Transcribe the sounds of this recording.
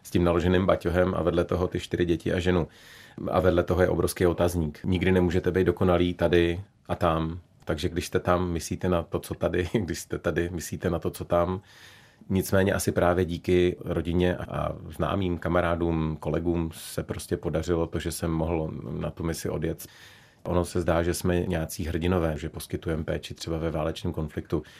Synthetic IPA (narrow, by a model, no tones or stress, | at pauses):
scɪmnalo̞ʒɛnɪmbacoɦɛmʔa̰vɛdlɛt̪o̞ɦo̞t̪ɪʃt̪ɪɾɪɟɛcɪʔaʒɛnua̰vɛdlɛt̪oɦo̞jɛʔo̞bɾʔo̞fskejo̞t̪azɲiːkɲɪɡdɪnɛmuːʒɛt̪ɛbɛjd̪doko̞naliːt̪adɪ | ʔat̪am | t̪aɡʒɛɡdɪʃst̪ɛt̪amːɪsliːt̪ɛnat̪o̞t͡so̞t̪adɪɡdɪʃst̪ɛt̪adɪmɪsliːt̪ɛnat̪o̞t͡so̞t̪am | ɲɪt͡smɛːɲɛʔasɪpɾaːvjɛɟiːkɪɾo̞ɟɪɲɛʔa̰ʔa̰zna̰ːmiːmkamaɾaːduːmko̞lɛɡuːmsɛpɾo̞scɛpo̞dar̝ɪlo̞t̪o̞ʒɛsɛmːo̞ɦl̩nat̪umɪsɪʔo̞̰djɛt̪ | ʔo̞no̞sɛzdaːʒɛsmɛɲɛjat͡siːɦr̩ɟɪno̞vɛːʒɛpo̞skɪt̪ujɛmpɛːt͡ʃɪt̪r̥ɛbavɛvaːlɛt͡ʃniːmko̞nflɪk̚t̪u